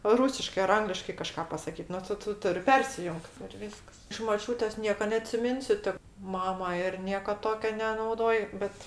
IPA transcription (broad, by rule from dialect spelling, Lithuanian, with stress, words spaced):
ˈruːsʲɪʃkɜ ɐr ˈɐŋɡlʲɪʃkɐɪ kɐˈʃkɐ pɐsɐˈkʲiːt ˈnʊ ˈtʊ ˈtʊ ˈtʊrʲɪ ˈpʲɛrʲsʲɪjʊŋkt ɪr ˈʋʲiːskɐs ɪʃ moːˈt͡ʃʲuːtʲeːs ˈnʲiɛkɐ nʲɛɐtʲsʲɪˈmʲɪnʲsʲʊ tʲɪ ˈmɑːmɐ ˈɪr ˈnʲiɛkɐ ˈtoːkʲoː nʲɛnɐʊˈdoːj ˈbʲɛt